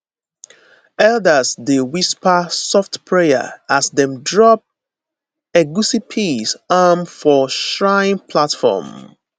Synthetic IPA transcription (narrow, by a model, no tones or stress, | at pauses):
ɛldəsdewispəsɔftpʰɹejə̰asdɛ̃mdɹɔp̚ | ɛɡusipʰisamfɔʃɹãɪ̃npʰlatfɔ̰m